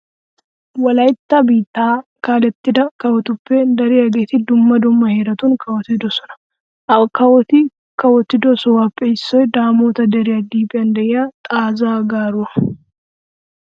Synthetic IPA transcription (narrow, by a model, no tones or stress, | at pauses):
wɐlɐjt̪ːɐbiːt̪ːaːkaːlɛt̪ːɪd̪ɐkɐwɔt̪ʊpːɛd̪ɐɾɪɐɡeːt̪ɪd̪ʊmːɐd̪ʊmːɐheːɾɐt̪unkʰɐwɔt̪ɪd̪ɔsɔnɐ̥ | ʔɐkɐwɔt̪ɪ | kɐwɔt̪ːɪd̪ɔsɔwapʼːɛɪsːɔjd̪aːmoːt̪ɐd̪ɐɾɪjɐd̪iːpʼːɪɐnd̪ɐʔɪjat̪ʼaːzaːɡaːɾʊɐ